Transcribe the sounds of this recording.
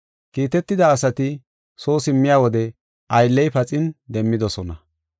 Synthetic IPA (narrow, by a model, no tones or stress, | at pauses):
kiːt̪ɛt̪ːɪd̪ɐːsɐt̪ɪ | so̞ːsɪmːɪjaːwɔd̪ɛ | ʔɐjlːɛjpɐt͡sʼɪnd̪ɛmːɪd̪ɔsɔnɐ